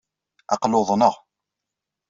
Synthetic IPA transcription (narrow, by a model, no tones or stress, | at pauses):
ɑ̰qloðˤnəʁ